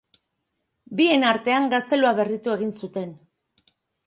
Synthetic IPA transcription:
bie̞naɾt̪e̞aŋɡast̪e̞luaβe̞rit̪ue̞ɣ̞insut̪e̞n

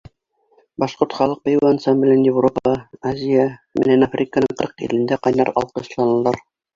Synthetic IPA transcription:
bɑʃqoɾt̪χɑlˠɤq̚pɑjuansamblʲɘnjɪvropɑʁɑazʲijamɘ̰̆nænafrʲɪkənɤɴqɤ̰ɾqḭlɘ̆nd̪æqɑjnɑɾɑ̰lˠqɤ̆ɕlˠɑnɤ̆lˠɑɾ

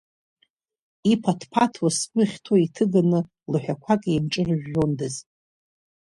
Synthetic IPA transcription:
ipʰatʰpʰatʰwaskʷʼʊχʲtʰoitʰɨɡanɨ | lɨħʷᶣakʷʰakʼiimʈ͡ʂʼɨrɨʒᶣːondɨz

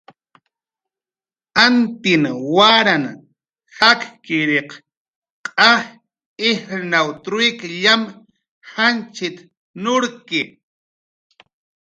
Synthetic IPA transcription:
ant̪ɪnwaɾan | hakkɪɾeq | qʼah | ɪhɾnawt̪ɾʊɪkʎam | hant͡ʃɪt̪ | nʊɾkɪ

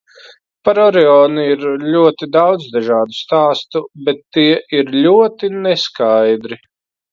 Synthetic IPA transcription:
paɾɔɾɛɔːniiɾlʲuɔt̪id̪awd̪zd̪aʒaːd̪ust̪aːst̪ubɛt̪ːiɛʔiɾlʲuɔt̪inɛskajd̪ɾi

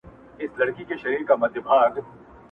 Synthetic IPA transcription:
ɪslɐɽkikeʃɐɾiːɾkamɐd̪ʱjɪbʱaːɡ

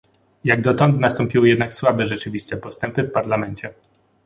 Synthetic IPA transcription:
jaɡd̪ɔt̪ɔ̃nt̪nast̪ɔmpʲiwɘjɛd̪nakswabɛʐɛt͡ʂɘvʲist̪ɛpɔst̪ɛmpɘfpaɾlamɛnt͡ɕɛ

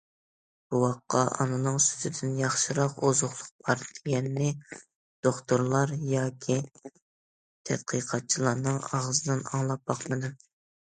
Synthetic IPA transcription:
b̥uwɑqːɑʔɑ̰nɨnɨŋsy̥zʰɪd̪ɪnjɑχʃiɾɑqozʊχlˠʊq̚bʰɑɾd̪ʰɪɡʲɛnːɪ | d̪̥oχt̪ʊɾlˠɑɾjɑːkʲʰi | t̪ʰɛ̰d̪̥̚qʰəqʰɑt̪̚t͡ʃʰilˠɑɾnɨŋɑʁzɨd̪ɨnɑ̰ŋlˠɑp̚bɑχmɨd̪ɨ

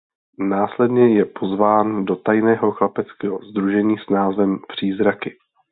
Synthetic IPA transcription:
naːslɛdɲɛjɛpʰo̞zvaːndot̪ajnɛːɦo̞xlapɛt͡skɛːɦo̞zd̪ɾuʒɛɲiːsnaːzvɛmpr̝̥iːzɾakɪ

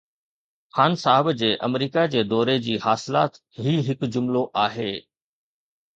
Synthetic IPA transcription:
xaːnsaːɦɪbd͡ʑeːʔɐ̰mɾiːkad͡ʑeːd̪ɔːɾed͡ʑiːhaːsɪlaːt̪ | ɦiːɦɪkd͡ʑʊmloʔaːɦeː

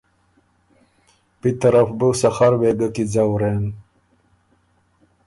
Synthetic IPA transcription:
pit̪ɐɾafbusaxaɾweɡakid͡zawɾen

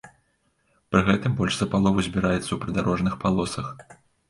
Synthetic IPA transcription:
pɾɨɣɛt̪ɨmbɔlʲʂz̥ɐpalˠɔvɐzʲbʲiɾajɛt̪sːɐwpɾɨd̪aɾɔʐnɨxpalˠɔsɐx

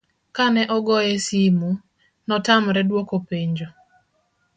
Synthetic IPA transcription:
kanɛʔɔɡɔjɛsimu | nɔtamɾɛdwokopeɲd͡ʒo

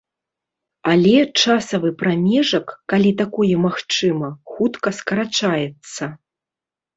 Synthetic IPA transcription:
alʲɛt͡ʂasɐvɨpɾamʲɛʐɐkːalʲit̪akɔjɛmaxt͡ʂɨmɐxut̪kɐskɐɾat͡ʂajɛt̪sːɐ

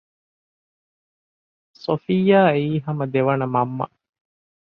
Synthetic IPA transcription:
sofijːaːeiːɦɐmɐd̪eʋɐnɐmɐmːɐ̰

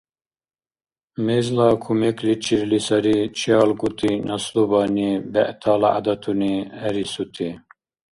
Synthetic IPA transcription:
mezlakʰumeklit͡ʃʰiɾlisɐɾit͡ʃʰijɑːlɡut̪inɑslubɑːnibɛʔt̪ʰalaa̰d̪ɑt̪ʰuniɛɾisut̪ʰi

